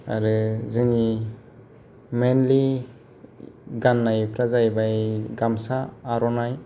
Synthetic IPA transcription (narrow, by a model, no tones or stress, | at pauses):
a̰ɾɯzɯni | menli | ɡanːajpʰɾazajbajɡamsaːɾɔnaj